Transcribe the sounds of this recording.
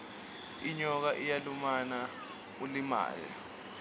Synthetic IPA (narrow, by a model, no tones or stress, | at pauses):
iɲɔk̬aʔijalumana | ulima̰ːjɔ̰